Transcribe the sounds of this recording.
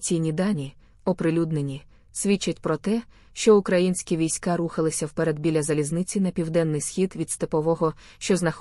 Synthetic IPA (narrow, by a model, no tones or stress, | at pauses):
t͡sʲijnʲid̪ɑnʲi | ɔpɾɪlʲud̪nenʲi | sʲʋʲit͡ʃːɐtʲpɾɔt̪ɛ | ʃt͡ʃɔʊkɾɐjinʲsʲkʲiʋʲijsʲkɑɾuxɐlˠɪsʲɐwpɛɾed̪bʲilʲɐzɐlʲiznɪt͡sʲinɐpʲiwd̪ɛnːɪjsxʲid̪ʋʲid̪st̪epɔʋɔɦɔ | ʃt͡ʃɔznɐx